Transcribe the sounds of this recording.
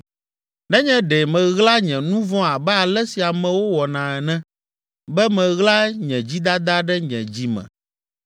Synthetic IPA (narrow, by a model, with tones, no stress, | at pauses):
nɛ̃˦ɲɛ̃˦ɖɛ˨mɛ̃˨ɣla˦ɲɛ̃˨nũ˦vɔ̃˦a˨bɛ˦a˨lɛ˦si˨a˨mɛ̃˨wo˦wɔ˨nã˨ɛ˨nɛ̃˦ | bɛ˦mɛ̃˨ɣla˦ɲɛ̃˨d͡ʑi˦d̪a˦d̪a˦ɖɛ˦ɲɛ̰̃˨d͡ʑi˦mɛ̰̃˨